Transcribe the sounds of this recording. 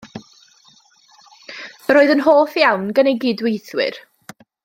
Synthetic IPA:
əɾoːɨðənɦoːθjawnɡənejɡiːdwejθwɪ̰r

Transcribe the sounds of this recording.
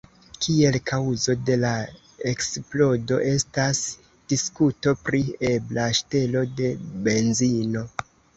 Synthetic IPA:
kʰie̞lkʰawzo̞de̞la | e̞ksplo̞do̞ʔe̞stas | d̥iskuto̞pɾie̞blaʃte̞lo̞de̞be̞nzino̞

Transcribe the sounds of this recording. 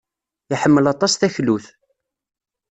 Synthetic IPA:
iħəmːəlɑt̪ˤɑsθæçluθ

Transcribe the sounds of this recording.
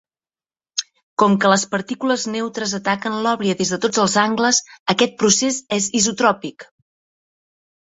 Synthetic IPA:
kɔmkələspəɾt̪ikuləznewt̪ɾəzət̪akənlɔβɾiəðezðət̪od͡zəlˠzaŋɡləzəkɛt̪̚pɾusezɛzizut̪ɾɔpik

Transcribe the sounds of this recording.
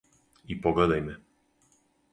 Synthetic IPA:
ipɔɡlɛd̪ajmɛ

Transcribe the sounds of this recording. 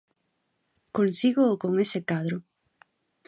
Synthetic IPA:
konsiɣoːkoŋesekaðɾʊ

